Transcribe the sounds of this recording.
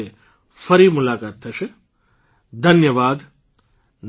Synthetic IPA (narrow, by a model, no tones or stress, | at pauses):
e | fʰɐɾiːmʊlaːkaːt̪ʰːɐʃe | d̪ʱɐnjəʋaːd̪ | n